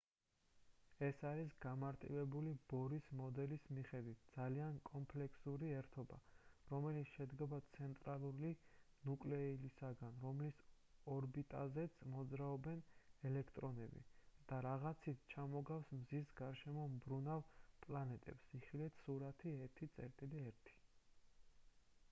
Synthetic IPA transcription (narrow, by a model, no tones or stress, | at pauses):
ɛsaɾisɡamaɾt̪ʼḭvɛbulib̥ɔɾismɔd̪ɛlismiχɛd̪wit̪̚ʰd̪zaliankʼɔmpʰlɛkʰsuɾiɛɾt̪ʰɔba̰ɾɔmɛlit̪sʰʃɛd̪ɡabat̪sʰɛnt̪ʼɾalˠuɾi | nukʼlɛilisaɡanɾɔmlis | ɔɾbit̪ʼa̰zɛt̪sʰmɔd̪zɾaɔbɛnɛlɛkʰt̪ʼɾɔnɛbḭd̪̥aɾaʁat̪sʰit̪ʰt͡ʃʰamɔɡafsmzisɡaɾʃɛmɔmbɾunavpʼlanɛt̪ʼɛ̰psiχilɛt̪ʰsuɾat̪ʰiɛɾt̪ʰit̪sʼɛ̰ɾt̪ʼiliɛɾt̪ʰi̥